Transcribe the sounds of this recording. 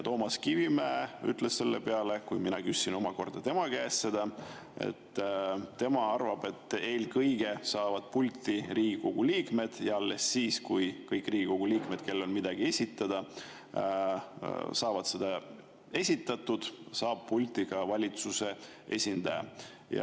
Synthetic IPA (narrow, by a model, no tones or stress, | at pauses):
t̪o̞ːmɑskivimæey̰t̪ːˑle̞sse̞lːe̞pe̞ɑlekujminɑkysːino̞mɑko̞rd̪̥ɑt̪e̞mɑkæːsse̞d̪̥ɑ | e̞̰t̪ːt̪ːe̞mɑɑrvɑb̥e̞t̪ːˑe̞lkɤjɡ̥e̞sɑːvɑd̪̥̚pulʲt̪ːˑiriːɡiko̞ɡ̥uliːkme̞d̪̥jɑɑlːe̞sːiːskujkɤjkːˑriːɡ̥iko̞ɡ̥uliːkme̞d̪̥̚ke̞lːo̞nmid̪̥ɑɡ̥ie̞sʲit̪ːˑɑd̪̥ɑ | sɑːvɑd̪̥se̞d̪̥ɑ | e̞sʲit̪ːˑɑt̪ˑud̪̥sɑːb̥̚pulʲt̪ːiɡɑvɑlʲit̪suse̞ | ʔe̞̰sʲind̪ɑjɑ̰ | jɑ̰